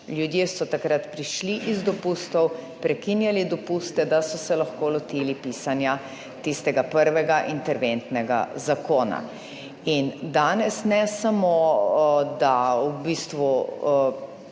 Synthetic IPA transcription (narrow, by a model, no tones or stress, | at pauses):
ljud̪jeːsɔt̪akɾat̪pɾiʃliʔizd̪ɔpuːst̪ɔwpɾɛkinjalid̪ɔpust̪ɛd̪asɔsɛlaxkoːlɔt̪ilipiːsanja | t̪ist̪ɛɡapəɾʋɛɡaʔint̪ɛɾʋent̪nɛɡa̰zakoːna̰ | ind̪aːnɛsnɛsamo | d̪aubiːst̪ʋu